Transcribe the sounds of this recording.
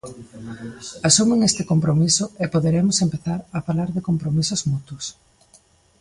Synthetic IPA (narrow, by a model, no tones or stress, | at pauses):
asumɪŋest̪ɪkompɾomisʊepoðeɾemʊsempeθaɾafalaɾðɪkompɾomisʊzmut̪ʊs